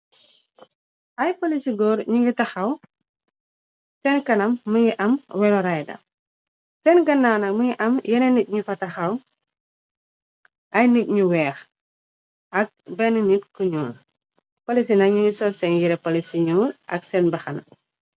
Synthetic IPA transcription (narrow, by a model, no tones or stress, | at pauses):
ʔɐjpolisiɡɔːɾɲiŋɡitɐxɐw | sɛnkɐnɐmːəɲiʔɐmwɛlɔɾajdɐ̰ | sɛnɡɐnːaːnɐk̚məɲiʔɐmjɛnenic̚ɲufɐtɐxɐw | ʔɐjnic̚ɲuwɛːx | ʔɐk̚bɛnənitkuɲuːɾ | polisinɐɲiŋɡisɔsɛɲjiɾɛpolisiɲuːɾɐ̰ksɛnbɐxɐn